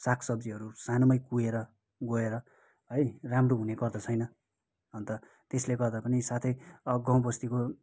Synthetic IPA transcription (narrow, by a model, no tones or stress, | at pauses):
sakʰsʌbd͡ziɦʌɾusanomʌjkueɾʌ | ɡoeɾʌ | ɦʌjramroɦunekʌrd̪ʌt͡sʰʌjnʌ | ʌnt̪ʌ | t̪esleɡʌrd̪apʌnisat̪ʰʌjʌɡãw̃bʌst̪iko